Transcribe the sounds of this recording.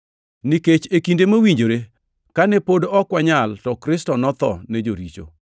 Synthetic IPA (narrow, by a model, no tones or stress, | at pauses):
niket͡ʃekindemawiɲd͡ʒoɾe | kanɛpodoɔkwaɲaltɔkɾɪstɔnɔt̪ɔnɛd͡ʒoɾit͡ʃo̰